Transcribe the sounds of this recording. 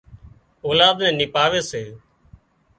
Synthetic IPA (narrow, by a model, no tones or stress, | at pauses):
oːlaːd̪nɛ̃ːnɪpaːʋeːseː